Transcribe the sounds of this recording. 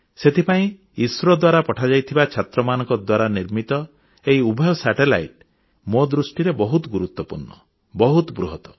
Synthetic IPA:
set̪ʰipaĩ | iswɔɾɔd̪waɾapɔʈʰad͡ʒajt̪ʰibat͡ʃʰat̪ɾɔmanɔ̃ŋkɔd̪waɾaniɾmit̪ɔ | eiubʱɔjɔsaʈela̰jʈ | mod̪ɾusʈiɾebɔɦut̪ɔɡuɾut̪wɔpṵɾɳɔ | bɔɦut̪bɾuɦɔt̪ɔ̥

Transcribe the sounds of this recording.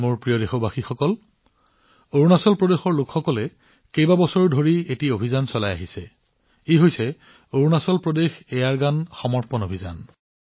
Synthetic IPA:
moɹpɹijɔdexobaxixɔkɔl | oɹunasɔlpɹɔdexɔɹlʊkxɔkɔlɛ | kejbabɔsɔɹdʱoɹietiobʱizansɔlaja̰ɦisɛ | eɦojsɛ | oɹunasɔlpɹɔdexɛjaɹɡanxɔmɔɹpɔnobʱiza̰n

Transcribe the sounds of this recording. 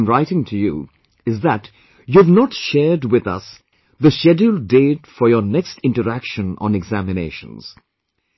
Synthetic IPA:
mɹaɪɾɪ̃ŋtʰɨjṵ | ɪzðæt | juvnɔʈʃɛːɾdwɪðʌ̰s | ðəʃɛdəldeːtfɔɾjənɛkstɪ̃nʈəɾækʃə̃nɔ̰̃nɛɡzæmɪnḛɪʃə̰̃nz̥

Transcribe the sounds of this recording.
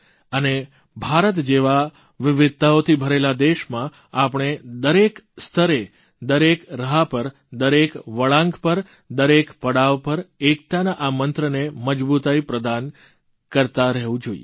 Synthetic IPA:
əne | bʱaɾət̪d͡ʒeʋa | ʋɪʋɪd̪̚t̪aot̪ʰibʱəɾelad̪eʃmã | apɳ̃ed̪əɾekst̪ʰəɾe | d̪əɾekɾəɦapəɾ | d̪əɾekʋəɭãŋɡpəɾ | d̪əɾekpəɽaʋpəɾek̚t̪anaʔamənt̪ɾəneməd͡ʒbut̪aipɾəd̪an | kəɾt̪aɾəɦʋũd͡ʒoḭe

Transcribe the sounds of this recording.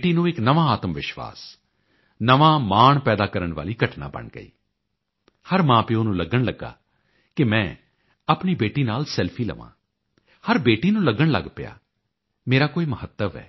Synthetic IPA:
ʈiːnũːɪknəʋãːaːt̪əmʋɪʃʋa̰ːs | nəʋaːmaːɳpɛːd̪aːkəɾəɳʋa̰ːliːɡʱəʈna̰ːbə̰ɳɡə̰ḭː | həɾmãːpeoːnũːləɡəɳləɡːa̰ː | kɪmɛ̃ː | aːpɳiːbeːʈiːnaːlsɛlpʰiːlə̰ʋã̰ː | həɾbeːʈiːnũːləɡəɳlə̰ɡpɪja̰ː | meːɾaːkoːiːməhət̪ːəʋɛ̰ː

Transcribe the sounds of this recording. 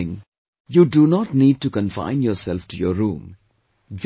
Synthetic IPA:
ɪ̃ŋ | juɖunɔʈniːɖ̚ʈukə̃nfã̰ɪ̃njɔːɾsɛlfʈujɔɾũːm | d͡ʒ

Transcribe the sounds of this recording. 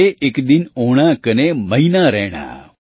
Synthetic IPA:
eʔekd̪inoɽ̃akəneməinaɾɛɽ̃a̰

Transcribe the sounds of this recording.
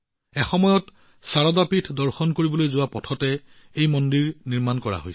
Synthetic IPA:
ɛxɔmɔjɔt | saɹɔdapitʰdɔɹxɔnkoɹibɔlojzʊwapɔtʰɔtɛ | ejmɔndiɹniɹmankɔɹa̰ɦojs

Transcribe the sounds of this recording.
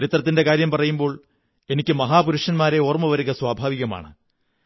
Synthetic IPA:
ɾit̪rɐt̪ːinde̞kaːɾjɐmpɐrɐjumbo̞ːɭ | e̞nikʲːɨmɐɦaːpuɾuʂɐnmaːɾe̞oːrɐmːɐʋɐɾiɣɐswaːbʱaːʋiɣɐma̰ːɳɨ

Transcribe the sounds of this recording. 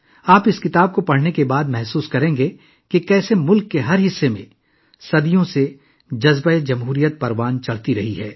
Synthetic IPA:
aːpɪskɪt̪aːb̚kopɐɽ̤nekebaːd̪mɛɦsuːskɐɾẽːŋɡe | kekɛːsemʊlkːeɦɐɾɦɪsːemẽ | sɐd̪ijõse | d͡ʒɐzbaed͡ʒɐmɦuːɾijət̪̚pɐɾʋaːnt͡ʃɐɭ̤t̪iɾɐɦiɦɛː

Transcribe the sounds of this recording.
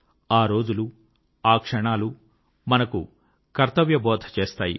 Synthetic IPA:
aːɾo̞ːd͡ʒulu | aːkʂɐɳaːlu | mɐnɐku | kɐɾt̪ɐʋjɐbɔːd̪ʱɐt͡ʃeːst̪aːjḭ

